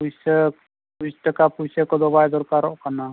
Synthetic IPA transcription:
pujsək | pustakapujsəkɔd̪ɔbajd̪ɔɾkaɾɔʔkana

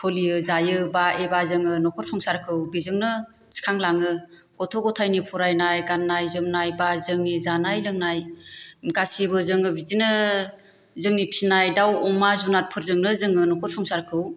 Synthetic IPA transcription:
pʰɔlijɯzajɯbaebazɯŋɯnɔkʰɔɾ̚sʰɔŋsaɾkʰɯwbizɯŋnɯ | si̥kʰaŋlaŋɯ | ɡ̥ɔtʰɔɡɔtʰajnipʰɔɾajnajɡanːajzɯmnajbazɯŋnizanajlɯŋnajɡasibɯzɯŋɯbidinɯ | zɯŋnipʰinajdawɔŋmazunat̚pʰɯɾzɯŋnɯzɯŋɯnɔkʰɔt̚sʰɔŋsaɾkʰɯw

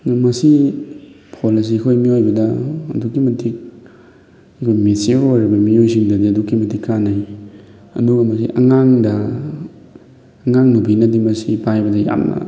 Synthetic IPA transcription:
nɐmɐsi | pʰolis̬ikʰojmiojbɐdɐɐ̰dukːimɐtʰik̚ | ɐkʰojmeseojɾɐbɐmiojsiŋdɐdiɐdukːimɐtikːanaj | ɐ̰nuɡɐmɐs̬ḭʔɐŋaŋdɐ | ɐŋaŋnubinɐdimɐsipajbɐdɐja̰mnɐ̰

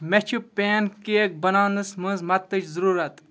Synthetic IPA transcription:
met͡ʃʰupeːnkeek̚bɐnaːnɨsmɨ̃ːzmɐt̪ːɨt͡ʃzəɾuːɾɐt̪

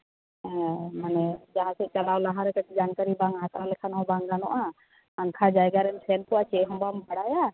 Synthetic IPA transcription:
ɛmanɛd͡ʒaɦãsɛt͡ʃɐlawlaɦaɾɛkəʈ̚d͡ʒaːnkaɾibãŋakawlɛkʰanawbãŋɡ̪anɔʔa | ãŋkʰad͡ʒajɡaɾɛnsɛnpɔwat͡ʃʰɛɦɔmbambəɽaja

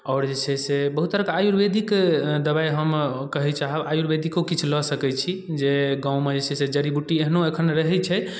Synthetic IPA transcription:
ɔːɾd͡ʒesʰɛsebəɦut̪ːəɾəkeajuɾbed̪ʱikd̪əbaiɦəmkəɦɛt͡ʃaɦəbajuɾbed̪ʱikokit͡ʃʰulɔsəkɛt͡ʃʰid͡ʒeɡãũmed͡ʒesɛsed͡ʒəɾibuʈieɦnoekʰənɾəɦɛt͡ʃʰɛ

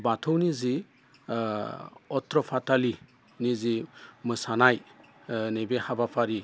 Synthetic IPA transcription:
batʰɔwnizi | ɔtɾɔpʰatali | nizimɯsanaj | nebehabapʰaɾi

